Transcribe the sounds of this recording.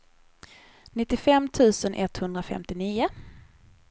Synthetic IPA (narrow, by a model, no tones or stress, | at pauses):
nɪt̪ːɪfɛmːt̪ʰʉ̟ːsənʔɛt̪hɵnd̪ɾafɛ̰mt̪ɪniːʊ